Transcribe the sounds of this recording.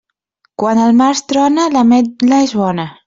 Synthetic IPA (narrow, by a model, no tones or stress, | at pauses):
kwanəlmaɾst̪ɾɔnalamelaezβɔna